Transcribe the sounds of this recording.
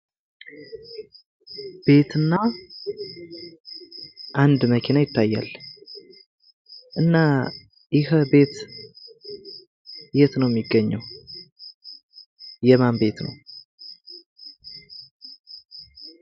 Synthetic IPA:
b̥e̞t̪ʰɨnːa | ʔand̪məkʰenajɪt̪ːajːa̰l | ʔɨnːa | jɪhəbe̞t̪ | jɛt̪nəwjɛmːiɡːəɲːɛw | jɛmambe̞t̪nə̰w

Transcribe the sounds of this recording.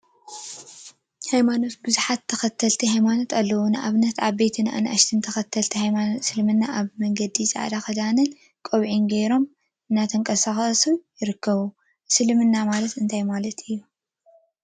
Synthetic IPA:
hajmano̞t̪bɨzuħat̪ʰːɐxɐt̪ʰːɐlt̪ʰihajmano̞t̪alːɐwonɨʔaβnɐt̪ʕaβbe̞t̪ʰɨnʔa̰nʔa̰ʃt̪ʰɨnt̪ʰɐxɐt̪ʰːɐlt̪ʰihajmansɨlmɨnːaʔaβmɐŋɡɐd̪isʼa̰ʕd̪axɐd̪anɨn | kʼoβʕinɡejɾo̞m | ʔɨnːat̪ʰɐŋkʼɐsaxɐsujɪɾɨkʰːɐβu | sɨlmɨnːamalɐt̪ɨnt̪ʰajmalɐt̪ɨjːu

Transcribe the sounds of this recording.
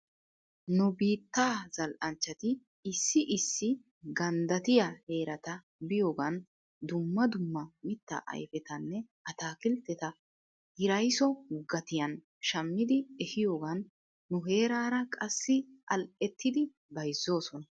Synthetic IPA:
nʊbiːt̪ːaːzɐlʔɐnt͡ʃːɐt̪ɪ | ɪsːɪʔɪsːɪ | ɡɐnd̪ɐt̪ɪjɐhe̞ːɾɐt̪ɐ | bɪjoːɡɐn | d̪ʊmːɐd̪ʊmːɐmɪt̪ːɐ̰ʔɐ̰jfɛt̪ɐnːɛʔɐt̪aːkɪlt̪ːɛt̪ɐ | hɪɾɐjsɔɡɐt̪ɪjɐn | ʃɐmːɪd̪ɪɛhɪjo̞ːɡɐnː | ʊɦe̞ːɾaːɾɐkʼɐsːɪɐlʔɛt̪ːɪd̪ɪ | bɐjzːo̞ːsɔnɐ

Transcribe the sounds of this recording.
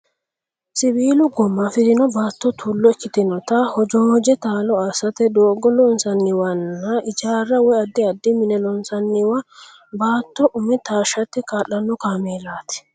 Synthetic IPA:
sɪbiːlʊɡɔmːɐfɪt̪ɪnɔbaːt̪ːɔt̪ʰuːlːɔɛkːɪt̪ɪnɔt̪ɐhɔd͡ʒɔːd͡ʒɛt̪aːlɔɐsɐt̪ɛd̪oːɡɔlɔnsɐnːɪwɐnːɐʔɪd͡ʒaːrːɐwɔjɐd̪ːɪɐd̪ːɪmɪnɛlɔnsɐnːɪwɐ | baːt̪ːɔʔʊmɛt̪aːʃɐt̪ːɛkaːlːɐnːɔkaːmeːlaːt̪ɛ̥

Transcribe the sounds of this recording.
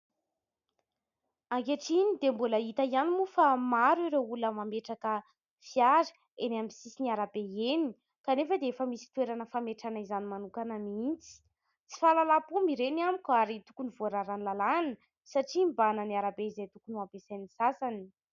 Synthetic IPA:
aŋkeʈ͡ʂinid̪embuləit̪əianimufamaɾiɾeuləmameʈ͡ʂakə | fiaɾə̥ | enamisisiniaɾabeeni | kanefəd̪eefəmisi̥t̪weɾanəfameʈ͡ʂanaizanimanukanəmint͡si̥ | t͡si̥falalapumiɾeniamikʲwaɾit̪u̥kunivoɾaɾanlalanə | saʈ͡ʂimbanəniaɾabeizejt̪ukunuapesanisasani̥

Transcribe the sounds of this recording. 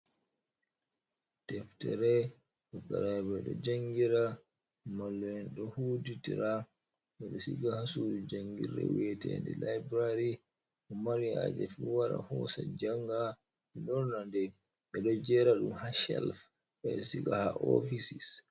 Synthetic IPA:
tɛftɛɾɛ | ɗɔkːaɾabɛɗɔ̰d͡ʒaŋɡiɾa | malːɔɛnɗɔhuːditiɾa | ɓɛɗɔsiɡahasuːɗud͡ʒaŋɡiɾɛ̰wɛtɛndɛlajbɾaɾi | ɔmaɾiad͡ʒɛfuwaɾa̰hɔsad͡ʒaŋɡa | ɛɗɔnandɛ | ɓɛɗɔd͡ʒɛɾaɗumhaʃɛlf | ɛɗɔsikahaʔofisis

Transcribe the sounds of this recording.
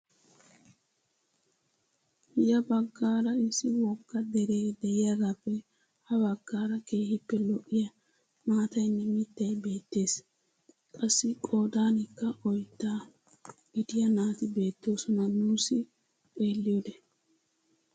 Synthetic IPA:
jɐbɐɡːaːɾɐɪsːɪwɔɡːɐd̪ɛɾe̞ːd̪ɛjɪjɐɾapːɛ | hɐbɐɡːaːɾɐke̞ːhɪpːɛlɔʔːɪjɐ | maːt̪ɐjnːɛmɪt̪ːɐjbe̞ːt̪ːe̞ːs | kʼɐsːɪkʼo̞ːd̪aːnɪkːɐʔɔjt̪ːaː | ɡ̥ɪd̪ɪjɐnaːt̪ɪbe̞ːt̪ːo̞ːsɔnɐnuːsɪ | pʼe̞ːlːɪjod̪ɛ

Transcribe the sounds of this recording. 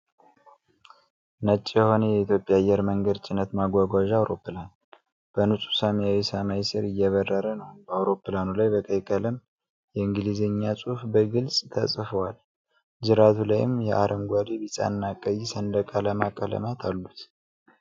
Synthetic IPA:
nət͡ʃʼːjɛho̞nəjɛit̪ʰjo̞pʼjajːɛɾməŋɡəd̪t͡ʃʼɪnət̪maɡʷaɡʷaʒawɾo̞pːɨlan | b̥ənusʼu̥samjawisamajisɨɾɨjːɛβərːəɾənəwb̥əawɾo̞pːlanulajbəkʼəjkʼələm | jɛɨŋɡɨlizəɲːasʼufbəɡɨlsʼt̪ʰə̰sʼfəwal | d͡ʒɨɾat̪ʰulajɪ̰mjɛʔaɾʔəmɡʷad̪ibisʼa̰nːakʼəjsənd̪əkʼaləmakʼːələ̰mat̪ʰalːut̪

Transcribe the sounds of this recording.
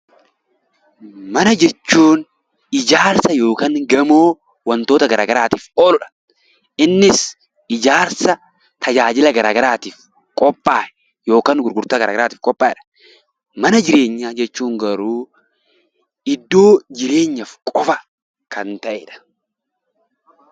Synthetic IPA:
mɐnɐd͡ʒɛt͡ʃːuːn | ɪd͡ʒaːɾsɐjo̞ːkaːŋɡɐmoː | wɐnt̪oːt̪ɐɡɐɾaːɡɐɾaːt̪iːfoːlʊᶑɐ̥ | ʔɪnːɪs | ɪd͡ʒaːɾsɐ | t̪ʰɐd͡ʒaːd͡ʒɪlɐɡɐɾaːɡɐɾaːt̪iːf | kʼɔpʼːaːʔɛ | jo̞ːkaːŋɡʊɾɡʊɾt̪aːɡɐɾaːɡɐɾaːt̪iːfkʼɔpʼːaːɪᶑɐ̥ | mɐnɐd͡ʒɪɾeːɲːaːd͡ʒɛt͡ʃːuːŋɡɐɾuː | ɪd̪ːo̞ːd͡ʒɪɾe̞ːɲːɐfkʼɔfɐ | kɐnt̪ɐʔeːᶑɐ̥

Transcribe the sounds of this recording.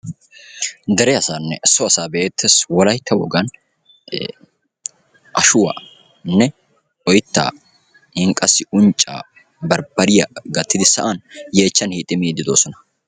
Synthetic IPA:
d̪ɛɾɛɐsaːnːɛsɔɐsaːbeːt̪ːeswɔlɐjt̪ʰːɐwɔ̰ɡɐn | ʔɐʃʊwa̰ | nːɛ | ɔjɪt̪ːa̰ː | hɪŋkʼɐsːɪʊnt͡ʃʼːa̰ː | bɐɾbɐɾɪjɐɡɐt̪ːɪd̪ɪsɐʔɐnje̞ːt͡ʃːɐnhiːt̪ʼːɪmiːd̪ːɪd̪o̞ːsɔnɐ̥

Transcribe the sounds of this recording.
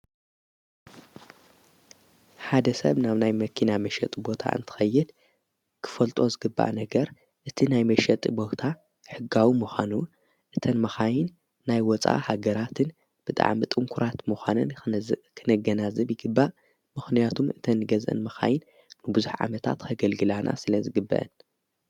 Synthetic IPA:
ħad̪ɐsɐ̰βnaβnajmɐkʰinamɐʃɐ̰t̪ʼbo̞t̪ʰa̰ʔɨ̰nt̪ʰɨ̥xɐjːɨd̪ | kʰɨ̥fɐlt̪ʼo̞zɨɡɨbːa̰ʔnɐɡɐɾ | ʔɨt̪ʰinajmɐʃɛt̪ʼbo̞t̪ʰa | ħɨɡːawimuxʷanu | ʔɨt̪ʰɐnmɐxajɪnː | ajwɔt͡sʼa̰haɡɐɾat̪ʰɨn | b̥ɨt̪ʼa̰ʕmit̪ʼɨŋkʰuɾat̪muxʷanɐnkʰɨnɐɡɐnazɨbjɪɡɨbːaʔ | mɨxnijat̪ʰumɨt̪ʰɐnːɨɡɐzʔɐ̰nmɐxa̰jɪnː | ɨbɨzuħʕa̰mɐt̪ʰa̰t̪kʰɐɡɐlɡɨlanʔa̰sɨlɐzɨɡɨbːɐ̰ʔɨ̰n

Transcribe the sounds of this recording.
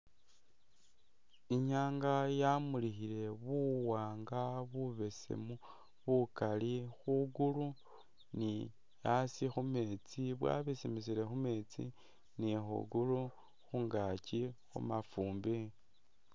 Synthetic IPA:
iɲaːŋɡajamulixile̞βuwaːŋɡaβuβe̞sḛmu | βukalixuɡulu | ni | jasixume̞t͡siβwa̰βisimisiɾe̞xumet͡sḭ | nixṵɡulu | xuŋɡacixṵmafuːmbi

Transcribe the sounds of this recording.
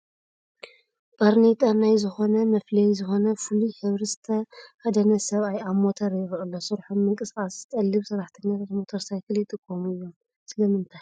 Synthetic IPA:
b̥ʼaɾnet̪ʼanajzɨxo̞nɐmɐflɐjzɨxo̞nɐfuluħɨβɾizɨt̪ʰɐhad̪ɐnɐsɐβajaβmo̞t̪ʰɐɾjɪɾɨlːosɨɾħomːɨŋkʼɨskʼast̪ʼɐlːɨβsɨɾaħt̪ʰɨɲːat̪ʰat̪mo̞t̪ʰoɾsajkʰɨljɪt̪ʼɨkʼːomɨjːom | sɨlɐmɨnt̪ʰaj

